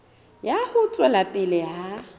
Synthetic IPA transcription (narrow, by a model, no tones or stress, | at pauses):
jahʊt͡sʼwɛlatʼɪlɪɦa